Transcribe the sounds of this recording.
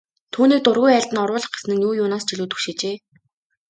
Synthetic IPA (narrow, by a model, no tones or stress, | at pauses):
t̪ʰuːniːk̚t̪ʊrɣujæːɮʲt̪ɘ̆nɔrwʊːɮə̆χɡe̥snɘ̆knuːjʊːnaːst͡ɕiɮuːt̪xu̥xʃeːt͡ɕeː